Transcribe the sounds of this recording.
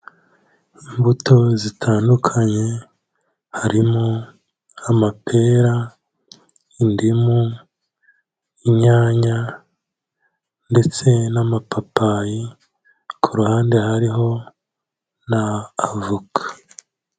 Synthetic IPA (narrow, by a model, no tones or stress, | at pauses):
imbutʰo̞zitʰaːndukʰaɲe̞ | haɾimo | amapʰe̞ːɾa | indimu | iɲaːɲa | nde̞t͡se̞namapapaji | kʰuɾuhaːnde̞haɾiɦo̞ | naːvukʰḁ